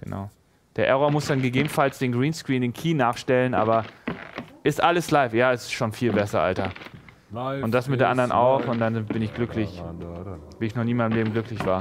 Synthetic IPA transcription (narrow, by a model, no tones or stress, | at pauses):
ɡ̥əna̰ʊ | d̥eːɐʔɛʁoːɐmʊsd̥anɡəɡeːbmn̩falsd̥eːnɡʁiːnskʁ̥iːndeːnkʰiːnaːχʃtɛlənʔa̰ːbɐ | ʔɪstʔaləslaɪfjaːɛsɪ̥sʃoːnfiːlbɛsɐʔa̰ltɐ | ʊntd̥asmɪt̚d̥eːɐʔandɐʁənʔa̰ʊxʊnt̚d̥anbɪnɪçɡ̥lʏklɪç | viːɪçnɔχniːmaəmleːbm̩ɡlʏklɪçv̥aːɐ